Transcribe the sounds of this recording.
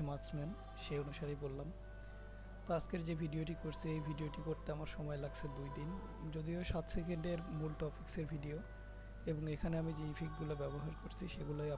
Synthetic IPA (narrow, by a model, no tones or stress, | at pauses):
maksmɛn | ʃeonuʃaɾibolːam | t̪askeɾd͡ʑebʱiɖioʈikoɾt͡ɕʰiejbʱiɖioʈikoɾt̪eamaɾʃɔmɔelaɡt͡ɕʰed̪ujd̪in | d͡ʑod̪ioʃat̪sekeɳɖeɾmulʈɔpikseɾbʱiɖio | eboŋekʰaneamid͡ʑeifʰik̚ɡulabɛboɦaɾkoɾt͡ɕʰiʃeɡuloja